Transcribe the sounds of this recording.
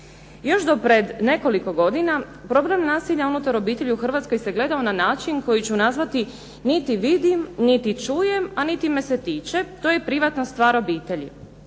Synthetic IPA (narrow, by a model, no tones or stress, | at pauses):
jo̞ʃd̪o̞pɾed̪ne̞ko̞liko̞ɡo̞d̪ina | pɾo̞blemnaːsiʎaunut̪aɾo̞biːt̪e̞ʎiuxr̩ʋat̪sko̞jse̞ɡle̞d̪aonanaːt͡ʃinko̞jit͡ɕunazʋat̪i | nit̪iʋid̪imnit̪it͡ʃuːjemanit̪ime̞set̪iːt͡ʃe̞t̪ojepɾiʋat̪nast̪ʋaːɾo̞biːt̪e̞ʎḭ